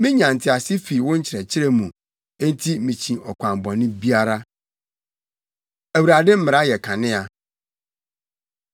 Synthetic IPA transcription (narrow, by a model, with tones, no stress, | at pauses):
mɪ̃˦ɲã˨n̩˨tʰɪ˦a˨sɪ˦fi˨wʊ̃˦ɲ̩˦t͡ɕʰɪ˨ɾɛ˨t͡ɕʰɪ˦ɾɛ˦mũ˨ | e˦n˦tʰi˦mĩ˨t͡ɕʰĩ˨ɔ˨kʷʰã˨m˨bɔ̃˨nɪ̃˦bi˦a˦ɾa˦ | æ˨wu˨ɾa˨dɪ˦m̩˦mɪ̃˨ɾa˦jɛ˨kʰã˨nɪ̃˦a˨